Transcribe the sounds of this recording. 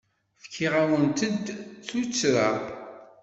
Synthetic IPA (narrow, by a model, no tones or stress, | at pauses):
fkʰːiʁawənt̪əd̪t͡sut͡sːɾa